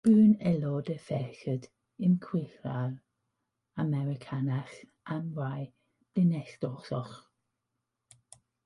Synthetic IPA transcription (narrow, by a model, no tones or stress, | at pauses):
b̥ʉːnɛlɔdəfɛɬəd | ɪnkʰw̥ɪɬral | amɛɾɪkʰanax | ʔamraj | b̥lɪnɛstɔsɔχ